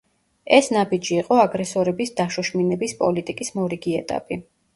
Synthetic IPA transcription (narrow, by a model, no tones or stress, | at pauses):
ɛsnabid͡ʒiːqʼɔaɡɾɛsɔɾɛbisd̪aʃɔʃminɛbispʼɔlit̪ʼikʼismɔɾiɡiɛt̪ʼa̰pʼi